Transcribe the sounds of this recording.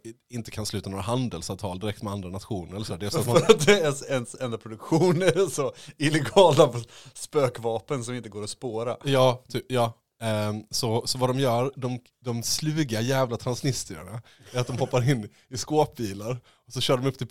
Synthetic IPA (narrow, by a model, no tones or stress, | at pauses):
ɪnt̪ə̥kʰanslʉ̟ːt̪anoːɾaɦand̪əlsavt̪ʰɑːld̪ɪɾɛk̚t̪mɛand̪ɾanat̪ɧuːnəɾɛlːsæːɖɛɛlsɔat̪mad̪ɛɛnsɛnd̪apʰɾʊd̪ɵkɧuːnɛɾsɔɪlɛɡɑːlapɔspøːkvɑːpənsɔmɪnt̪əɡoːɾɔspoːɾajɑːt̪ʰyːpjɑː | sɔsɔvad̪ɔmjœːɾd̪ɔm | d̪ɔmslʉ̟ːɡajæːvlat̪ʰɾansnɪst̪ɪɾa̰ɳa | æɾat̪̚d̪ɔmhɔpːaɾɪnː | ɪskoːp̚biːlaɾ | ɔsɔɕœːɖɔmɵpːt̪ʰɪl